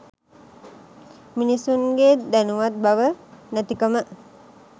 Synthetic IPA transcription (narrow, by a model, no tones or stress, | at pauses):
minisunɡed̪ænuʋat̪̚baʋənət̪ikəmə